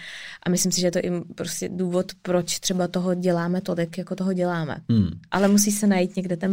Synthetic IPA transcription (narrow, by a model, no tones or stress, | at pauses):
ʔamɪslɪmsɪʒɛjɛt̪oʔɪpɾoscʲɛduːvo̞t̪pɾot͡ʃt̪r̝̥ɛbat̪oɦoɟɛlaːmɛt̪o̞lɪkjakot̪oɦoɟɛlaːmɛ̰ʔalɛmusiːsɛnajiːt̪ɲɛɡdɛt̪ɛn